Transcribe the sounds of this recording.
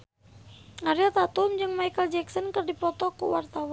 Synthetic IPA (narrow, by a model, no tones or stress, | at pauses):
aɾiat̪at̪umd͡ʒɨŋmajkəld͡ʒɛksɔnkərdipɔt̪ɔkṵwart̪awan